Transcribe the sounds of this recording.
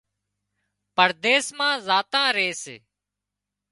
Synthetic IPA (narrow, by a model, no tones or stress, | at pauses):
pəɾd̪eːsmãːzaːt̪ãːɾeːsḛː